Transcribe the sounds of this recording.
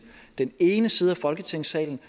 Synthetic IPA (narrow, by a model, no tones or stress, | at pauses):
d̥ene̝ːnəsiːð̞ˠæfɒ̽lɡ̥ət͡sʰeŋ̰sɛ̰ːln̩